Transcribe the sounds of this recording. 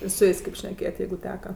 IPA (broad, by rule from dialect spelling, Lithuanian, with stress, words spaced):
ɪ sʊ ˈjeːsʲ kʲeːp ʃʲnʲɛˈkʲeːjɛtʲ ˈjɛɪɡʊ ˈtʲæːkɐ